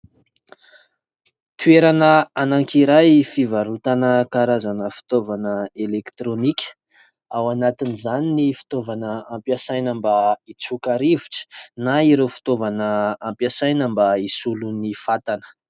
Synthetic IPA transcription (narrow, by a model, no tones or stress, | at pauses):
t̪ueɾanəanaŋkiɾajfivaɾut̪anəkaɾazanəfi̥t̪ovanəelekt̪ɾonikʲə̥ | awanat̪inizaninifi̥t̪ovanəampjasajnəmbait͡sukaɾiviʈ͡ʂə̥naiɾewfi̥t̪ovanəampjasajnəmbaisulunifat̪anə̥